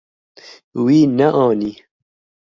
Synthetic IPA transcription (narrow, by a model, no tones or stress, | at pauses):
wiːnɛʔɑːniː